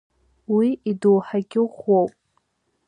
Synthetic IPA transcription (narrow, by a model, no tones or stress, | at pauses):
wiidowħaɡʲɪʁʷowpʼ